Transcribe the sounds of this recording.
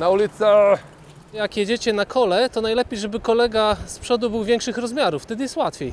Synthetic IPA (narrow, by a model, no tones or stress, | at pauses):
naulʲit̪sɛ | jakjɛd͡ʑet͡ɕɛnakʰɔlɛt̪ɔnajlɛpʲjejʐɛbɘkɔlɛɡaspʂɔd̪ubɘwvʲjɛŋkʂɘxɾɔzmʲjaɾuft̪ɛd̪ɘjɛst̪wat̪fʲej